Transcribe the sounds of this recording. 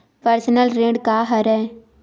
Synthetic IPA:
pəɾsənəlɾẽːɖkaːɦəɾɛː

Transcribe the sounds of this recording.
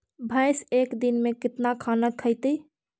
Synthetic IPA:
bʱəjsekd̪inmekit̪nakʰanəkʰəjt̪ə

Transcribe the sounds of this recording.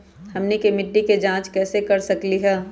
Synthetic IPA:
hɐmnekemɪʈːiked͡ʒãːt͡ʃkɛːsekɐɾsɐkliɦɛː

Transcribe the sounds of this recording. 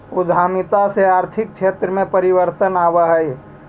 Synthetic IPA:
ʊd̪ʱaːmɪt̪aseaːɾt̪ʰɪk̚t͡ʃʃʰeːt̪ɾəmẽpəɾɪwəɾt̪ənaːʋaɦɛe

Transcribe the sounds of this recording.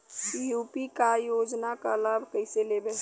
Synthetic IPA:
ijupikajod͡ʒnakalabʱkəɪselebe

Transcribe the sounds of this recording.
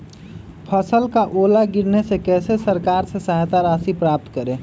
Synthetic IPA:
pʰəsəlkaʔolaɡiɾnesekɛːsesəɾkaɾsesəɦt̪aɾasipɾap̚t̪kəɾẽ

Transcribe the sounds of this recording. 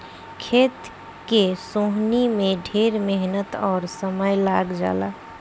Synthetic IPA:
kʰeːt̪ | kesoɦnimẽɖʱeːɾmeɦnət̪ɔːɾsəməjlaɡd͡ʒa̰ːla̰

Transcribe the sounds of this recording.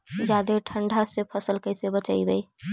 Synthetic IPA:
d͡ʒaːd̪eʈʰə̃ɳɖʱasepʰəsəlkəɪsebət͡ʃaːibəi

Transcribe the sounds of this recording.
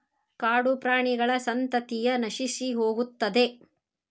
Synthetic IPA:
kaːɽupɾaːɳiɡɐɭɐsɐnt̪ɐt̪ijɐnɐʃisiɦoːɡut̪ːɐd̪e̞

